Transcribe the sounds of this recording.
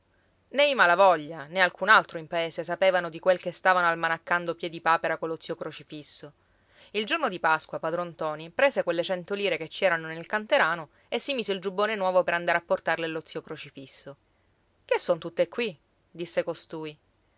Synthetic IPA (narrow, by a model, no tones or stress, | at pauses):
nɛjmalavɔʎːanealkʰunalt̪ɾoimpaeːsesapeːvanod̪ikwelkest̪aːvanoalmanakːand̪opjɛd̪ipaːpeɾakolːot̪siːokɾot͡ʃifisːo | ild͡ʒornod̪ipaskwapad̪ɾont̪ɔːnipɾeːsekwelːet͡ʃɛnt̪oliːɾeket͡ʃːɛːɾanonelkant̪eɾaːno | esːimiːseild͡ʒubːoːnenwɔːvopeɾand̪aɾeapːort̪arlelot̪sːiːokɾot͡ʃifisːo | kesːont̪ut̪ːekːwi | d̪isːekost̪uːi